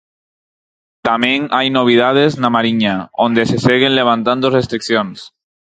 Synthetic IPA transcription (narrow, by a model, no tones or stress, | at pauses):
t̪ameŋajnoβ̞ið̞að̞eznamaɾiɲaond̪eseseɣenleβ̞ant̪and̪orest̪ɾikθjons